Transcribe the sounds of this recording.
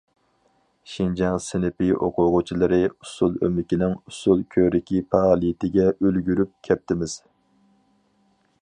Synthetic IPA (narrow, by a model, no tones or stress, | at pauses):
ʃind͡ʒɑŋsɪnɪpɪʔo̰qʰʊʁʊt͡ʃʰilˠɨɾɨusulˠø̰mɪkʲinɪŋusulˠkʲʰøɾɪkʲʰipʰɑlˠijit̪ʰɪɡʲɛølɡʲyɾyp̚kʲʰɛp̚t̪ɪmɪz̥